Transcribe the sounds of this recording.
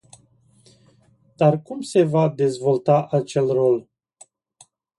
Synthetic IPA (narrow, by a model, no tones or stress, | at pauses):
d̪̥arkumse̞vad̪e̞zvo̞lt̪aʔat͡ʃe̞lro̞l